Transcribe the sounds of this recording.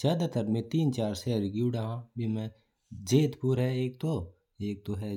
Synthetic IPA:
zjaːd̪at̪ɐɾmẽt̪iːnt͡ʃaːɾsɛːɾɡiuɽaɦãːbʱimɛ̃ | d͡ʒeːt̪puːɾɦɛeːk̚t̪o | eːk̚t̪oɦɛ

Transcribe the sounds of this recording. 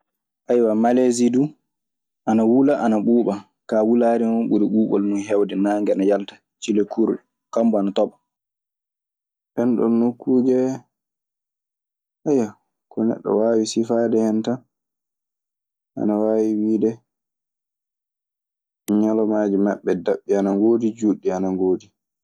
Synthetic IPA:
ʔajwamalezidu | ʔanawulaʔanaɓuːɓa | kawulaɾimɔɓuɾiɓuːɓɔ̰lnunɦɛwdɛnaːŋɡɛanajaltḁ | t͡ʃilekʰuɾɗɛ | kambɔanatɔɓa | ɓɛnɗɔ̰nːukːuːd͡ʒɛ | ʔajːa | kɔnɛ̰ɗːɔ̰waːwisifaːdɛhɛntan | ʔa̰nawawiwiːdɛ | ɲalɔmaːd͡ʒimaɓːɛdaɓːianaŋɡodid͡ʒuɗːianaŋɡoːdi

